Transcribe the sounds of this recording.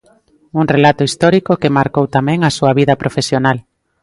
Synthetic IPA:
uŋrelat̪ʊist̪ɔɾikokemaɾkowt̪amɛ̃ŋasuɐβiðɐpɾʔofesjonal

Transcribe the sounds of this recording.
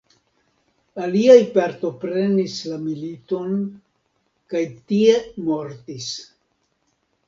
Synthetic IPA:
aliajpaɾto̞pɾe̞nislamilito̞n | kajtie̞mo̞ɾtis

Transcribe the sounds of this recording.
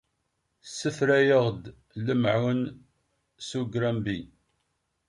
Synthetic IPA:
sːəfɾæjəʁd̪ | ləmʕwn | suɡɾæmbi

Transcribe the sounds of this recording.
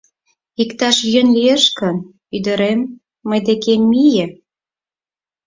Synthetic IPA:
ikt̪ɑʃjønlieʃkən | yd̪ə̆ɾemː | əjd̪ekemːijĕ

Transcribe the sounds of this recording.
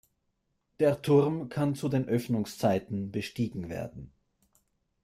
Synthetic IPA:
d̥eːɐtʰʊʁmkʰant͡sudeːnʔœfnʊŋst͡saɪtn̩bəʃtiːɡŋ̩vḛːɐdn̩

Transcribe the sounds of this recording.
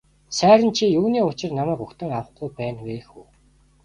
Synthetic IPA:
sæːɾə̆nt͡ɕʰijuːniːʊt͡ɕɪ̆rnamæːkʊkt̪ə̆ŋawə̆χɡujpæːnwexuː

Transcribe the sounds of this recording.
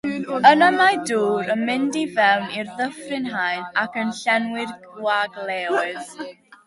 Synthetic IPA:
ənəmajduːɾənmɪndivɛwnirðəfrɪnɦajnakʰənɬɛnwɪr | waɡlˠeːɔɨð

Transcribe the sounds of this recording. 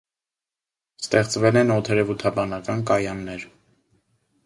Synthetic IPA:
st̪ɛχt͡svɛlɛnɔt̪ʰɛɾɛvut̪ʰɑbɑnɑkɑnkɑjɑnːɛɾ

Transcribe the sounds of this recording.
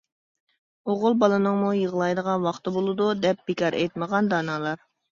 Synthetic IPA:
oʁʊlˠbɑlˠɨnɨŋmujəʁlˠɑjd̪əʁɑnwɑχt̪ɨbolˠɨd̪ud̪ɛp̚b̥ɪkʰɑɾʔɛ̰jt̪məʁɑnd̪ɑnɑːlˠɑɾ

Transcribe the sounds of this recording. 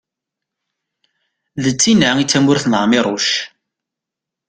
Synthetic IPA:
ðət͡sːinaŋit͡sːæmʊɾθnʁmɪɾˤʊʃ

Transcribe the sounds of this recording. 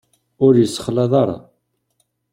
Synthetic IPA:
ʊɾjəsːə̥χlɑðˤɑɾˤɑ̰

